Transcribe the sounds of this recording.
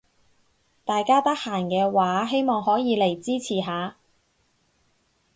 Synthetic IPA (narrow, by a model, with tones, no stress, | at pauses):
t̪aː˨jkaː˥t̪ɐ˥k̚haː˨˩nkɛː˧waː˨˥ɦe˥jmɔː˨˩ŋɦɔː˨˥jiː˨˧le˨˩jt͡siː˥t͡sʰiː˨˩ɦaː˨˧